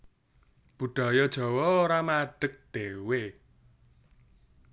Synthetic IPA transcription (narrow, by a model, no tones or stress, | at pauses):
b̥ṳɖ̥a̤jɔd̥ʒ̥ɔ̤wɔoɾamaɖ̥ək̚d̪̥e̤we